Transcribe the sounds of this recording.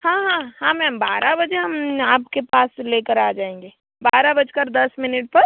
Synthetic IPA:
hãːɦãɦãmɛ̃mbaːɾabəd͡ʒeɦəmaːpkepaːslekəɾaːd͡ʒaːẽŋɡe | baːɾabəd͡ʒkəɾd̪ɐsmɪnɪʈ̚pɐɾ

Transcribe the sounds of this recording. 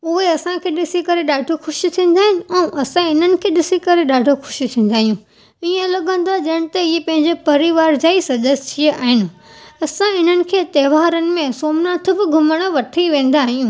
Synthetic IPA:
ʊɦeɐsãkʰeːɗɪsikɐɾeɗaːɖʱoxʊʃit̪ʰĩːn̆d̪aːɦɪnɪ̆ɛ̃ːʔɐsãɪn̤ənɪ̆kʰeːɗɪsikɐɾeɗaːɖʱoxʊ̥ʃit̪ʰĩːn̆d̪aːɦijũ | iə̃lɐɠə̃n̆d̪aʄɐɽ̃ɪ̃̆t̪ɐiepɐ̃ɦɪ̃ɲd͡ʑepɐɾiʋaːɾd͡ʑaːisɐʄəst͡ɕʰieʔaːɦɪnɪ̆ | ɐsãɪn̤ənɪ̆kʰeːt̪ɛːʋaːɾənɪ̆mẽsoːmnãt̪ʰʊbɪɡʱʊməɽ̃ə̆ʋɐʈʰiʋẽːn̆d̪aːɦijũː

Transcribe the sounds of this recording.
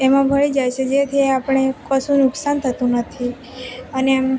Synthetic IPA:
emãbʱəɭid͡ʒajt͡ʃʰed͡ʒet̪ʰieapəɽ̃ekəsũnʊksant̪ʰət̪ũnət̪ʰi | ənem

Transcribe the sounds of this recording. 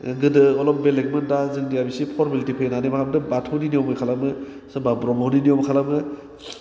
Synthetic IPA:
ɡɯdɯɔlɔmbelek̚mɯndazɯŋdijabisipʰɔɾmilitipʰejnanejmakabdɯbatʰoniniɔmɯjkʰalamɯ | sɯbabɾɔmawniniɔmkʰalamɯ

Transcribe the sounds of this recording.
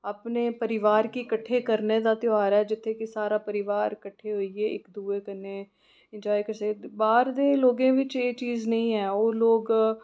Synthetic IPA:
aːpneːpəɾɪʋaːɾkikəʈʰːeːkəɾneːd̪aːt̪jaːɾɛːd͡ʒɪt̪ʰːeːkisaːɾaːpəɾɪʋaːɾkəʈʰːeːɦoieːɪ̰kd̪uːeːkəneː | ɪ̃nd͡ʒaːikəɾsəkːbaːɾd̪eːloːɡẽːʋɪt͡ʃeːt͡ʃiːznəĩːɦɛːoːloːɡ

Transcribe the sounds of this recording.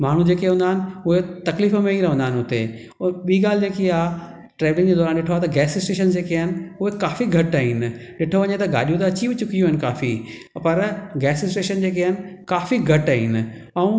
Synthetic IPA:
maːɽ̤ũd͡ʑeːkeɦũnd̪aːɦɪnɪʊɦet̪ɐkliːfmẽɦiɾɐʋə̃nd̪aːɪnɪɦʊt̪e | ɓiːɡaːlɪd͡ʑeːkia | ʈɾeːʋlɪ̃ŋd͡ʑeːd̪ɔːɾaːnɗɪʈʰoaːt̪ɐɡɛːsɪsʈeːʃənd͡ʑeːkeɪnɪ̆ʊɦekaːfiɡʱɐʈaːɦɪnɪɗɪʈʰoʋɐɲet̪ɐɡa̰ːɗijũt̪ɐɐt͡ɕibɪt͡ɕʊkijũɦɪnɪka̰ːfi | pɐɾɡɛːsɪsʈeːʃənd͡ʑeːkeɪnɪ̆kaːfiɡʱɐʈaːɦɪnɪ̆ɐũ

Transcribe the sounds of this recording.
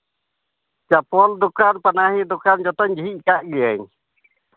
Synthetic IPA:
t͡ʃapɔld̪ukanpanaɦid̪ukand͡ʒɔt̪ɔɲd͡ʒiɦiʔkaʔɡijəɲ

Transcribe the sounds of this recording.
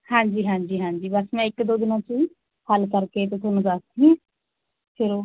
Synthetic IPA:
hãːɲd͡ʒiːɦãːɲd͡ʒiːɦãːɲd͡ʒiːbəsmɛ̃ːɪkd̪oːd̪ɪnãːt͡ʃiː | həlkəɾkeːt̪ɪt̪ʰonʊzaːst̪ɦĩː | pʰɪɾoː

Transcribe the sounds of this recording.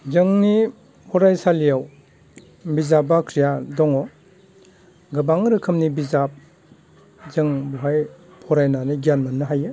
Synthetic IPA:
zɯŋni | pʰɔɾajsalijaw | bizabakʰɾijadɔŋɔ | ɡɯbaŋɾɯkʰɯmnibizap̚ | zɯŋbuɦaj | pʰɔɾajnaniɡijanmanːɯɦajɯ

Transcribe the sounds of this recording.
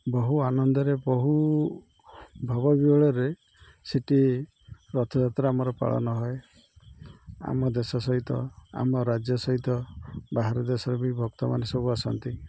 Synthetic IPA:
bɔɦuanɔnd̪ɔɾebɔɦu | bʱɔbɔbiɔɭɔɾe | siʈi | ɾɔt̪ʰɔd͡ʒat̪ɾɔamɔɾɔpa̰ɭɔ̰nɔɦɔe | a̰mɔd̪esɔsɔɦit̪ɔa̰mɔɾad͡ʒjɔsɔɦit̪ɔbaɦaɾɔd̪esɔɾemibʱɔk̚t̪ɔmanesɔbuasɔnt̪i

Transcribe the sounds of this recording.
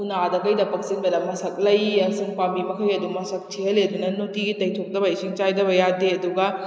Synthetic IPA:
unadɐkɐjdɐpɐk̚siŋbɐdɐmɐsɐk̚lɐjɐsɯŋpambibɐkʰɐjɐdumɐsɐk̚tʰiɦɐledunɐnotiɡitɐjtʰok̚dɐbɐisiŋt͡ʃajdɐβɐjadeɐduɡɐ

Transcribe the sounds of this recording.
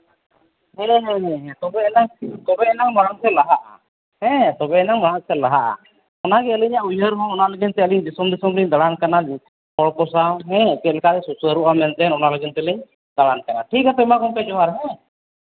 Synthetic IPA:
ɦɛ̃ɦɛ̃ɦɛ̃ɦɛ̃t̪ɔbɛɛnat̪ɔbɛɛnamaɽaŋsɛlaɦaʔa̰ | hɛ̃t̪ɔbɛɛnamaɽaŋsɛlaɦaʔa̰ | ɔnaɡɛəlɛɲaʔujɦəɾɦɔ̃ɔnaləɡint̪ɛəliɲd̪isɔmd̪isɔmliɲd̪aɽankanad͡ʒi | pɔɭkɔsawɦɛ̃kɛlɛkat̪ɛsusəɾuʔamɛnt̪ɛnɔnaləɡint̪ɛlɛɲ | d̪aɽankanaʈʰikat̪ɔɛmakɔmkɛd͡ʒɔwaɾɦɛ̃

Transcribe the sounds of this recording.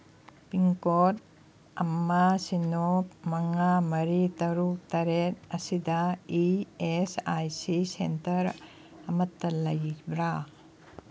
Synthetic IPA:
piŋkot̚ | ɐmːasinopmɐŋamɐɾitɐɾuk̚tɐɾet̚ɐsidɐiesajsisentɐɾ | ɐmɐtːɐlɐjbɾa

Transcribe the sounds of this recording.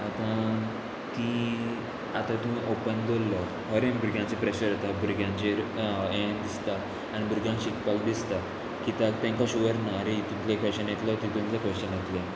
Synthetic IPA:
at̪ã | t̪i | at̪ãt̪umĩʔopənd̪olːə | ɦəɾẽmbuɾɡʱjãt͡sepɾeɕəɾət̪abuɾɡʱjãnt͡ɕeɾẽd̪ist̪aː | ñibʱuɾɡʱjãnɕikpakd̪ist̪a | kit̪at̪ɛ̃ŋkaɕuʋəɾnaɾet̪ũt̪lekəɕənjet̪lət̪it̪ũmt̪lekəɕənjet̪la

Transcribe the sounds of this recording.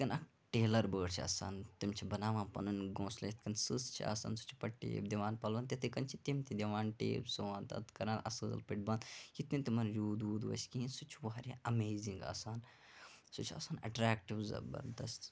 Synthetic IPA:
kɐnɐk | ʈeːlɐɾbəːɽt͡ʃʰiɐ̰ːsa̰ːnt̪imt͡ʃʰibɐnaːʋãːnpɐ̰nɨnɡõːslet̪kɐnsɨst͡ʃʰḭa̰ːsa̰ːnsu̥t͡ʃʰi̥pɐʈʈːḛːbd̪iʋaːnpɐlbɐnt̪ɐt̪ikɐnt͡ʃʰit̪imt̪id̪ʲiʋaːnʈḛːbsuʋaːnt̪ɐ̰t̪kɐɾaːnʔɐ̰sɨ̰ːlpiʈ̚bɐnd̪jit̪nint̪imɐnjuːd̪uːd̪ʋɐ̰sʲkiːnsut͡ʃʰuʋɐɦɐɾʲãʔɐmeːziŋɡa̰ːsaːn | sut͡ʃʰɐ̰ːsaːnɐ̰ʈɾaːkʈiʋzɐ̰bɐ̰ɾd̪ɐst̪

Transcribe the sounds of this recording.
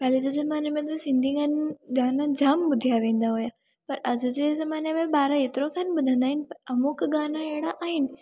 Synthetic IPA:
pɛːlit̪ɐzɐmaːnemẽt̪̬ɐsɪ̃nd̪ʱiɡanɡaːnad͡ʑaːmbʊd̪ʱijaʋẽːnd̪aɦoja | pɐɾɐd͡ʒud͡ʒezɐmaːnemẽbaːɾaet̪ɪɾokʰanbʊd̪ʱə̃nd̪aːɦɪnpɐɾɐmukɡaːnaeɽaʔaːɦɪnɪ

